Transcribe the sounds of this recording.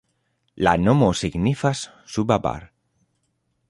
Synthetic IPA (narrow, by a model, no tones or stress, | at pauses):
lanomosiɡnifas | subaba̰ɾ